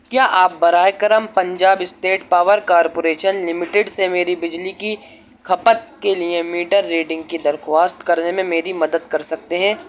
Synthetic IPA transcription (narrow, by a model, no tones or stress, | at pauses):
kjaːʔaːp̚bɐɾaːjkəɾəmpɐ̃ɲd͡ʒaːbɪsʈeːʈpaːʋəɾkaːɾpoːɾeːʃənlɪmɪʈeɖsemeːɾibɪd͡ʒliki | kʰɐpət̪̚keliemiːʈəɾːeːɖɪ̃ŋɡ̚kid̪ɐɾxʋaːst̪kɐɾnemẽmeːɾimɐd̪əd̪kɐɾsɐk̚t̪eɦɛ̃ː